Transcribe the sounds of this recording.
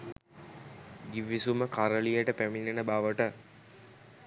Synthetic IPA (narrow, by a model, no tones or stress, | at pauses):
ɡiʋisuməkaɾəlijəʈəpæminenəbaʋəʈə